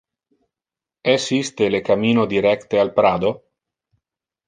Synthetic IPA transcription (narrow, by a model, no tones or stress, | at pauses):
esist̪elekamiːnod̪iɾɛkt̪ealpɾaːd̪o